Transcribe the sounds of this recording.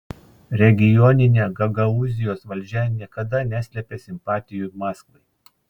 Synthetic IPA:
ɾʲɛɡʲɪjɔnʲɪnʲeɡɐɡɐʊzʲɪjoːsʋɐlʲd͡ʒʲɛnʲiɛkɐd̪ɐnʲæsʲlʲɛpʲeːsʲɪmpɑːt̪ʲɪjʊmɑːskʋˠɐɪ

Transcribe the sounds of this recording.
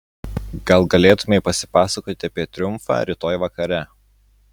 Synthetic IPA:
ɡ̥ɐlˠɡɐlʲeːt̪ʊmʲɛɪpɐsʲɪ̥pɑːsɐkoːt̪ʲɪɐpʲiɛt̪ʲɾʲʊmˑfɑ̰ːɾʲɪt̪oːjʋɐkɐɾʲæ

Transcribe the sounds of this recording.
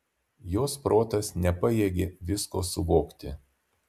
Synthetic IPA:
joːspɾoːt̪ɐsnʲɛpɐjeːɡʲeːʋʲɪskoːsʊʋoːkt̪ʲɪ

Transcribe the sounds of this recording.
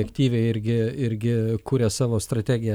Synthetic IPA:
ɛkt̪ʲiːʋʲɛɪɪɾʲɡʲɪɪɾʲɡʲɪkuːɾʲɛsɑːʋoːst̪ɾɐt̪ʲæːɡʲɪjɛ

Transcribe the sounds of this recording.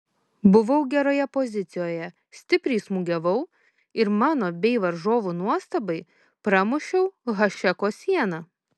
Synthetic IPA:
bʊʋɐʊɡʲɛɾoːjɛpɔzʲɪt̪sʲɪjoːjɛ | sʲt̪ʲɪpʲɾʲɛɪsmʊɡʲɛʋɐʊ | ɪɾmɑːnoːbʲɛɪʋɐɾʒoːʋuːnuɔst̪ɐbɐɪ | pɾɑmʊʃʲɛʊɣɐʃʲɛkoːsʲiɛnɐ

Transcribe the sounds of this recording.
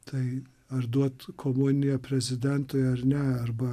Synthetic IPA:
t̪ʰɐɪ | ɐrd̪uɔt̪kʰoːmunʲɪjɛpʲɾʲɛzʲɪd̪ʲɛnt̪oːjɛɐrnʲɛɐrbɐ

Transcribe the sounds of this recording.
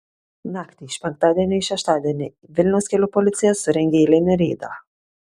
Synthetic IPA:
naːkt̪ʲɪʃpʲɛŋk̚t̪aːd̪ʲɛnʲɪʃʲɛʃt̪aːd̪ʲɛnʲɪ | ʋʲɪlʲnʲɛwskʲelʲʊpɔlʲɪt̪sʲɪjɛsʊɾʲɛŋʲɡʲeːlʲɛnʲɪɾʲeːd̪a̰

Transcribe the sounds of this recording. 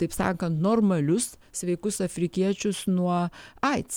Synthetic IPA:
t̪ɐɪpsɑ̰ːkɐnt̪noːrmɐlʲʊs | sʲʋʲɛɪkʊsɐfʲɾʲɪkʲiɛt͡ʃʲʊsnuɔɐɪt̪s

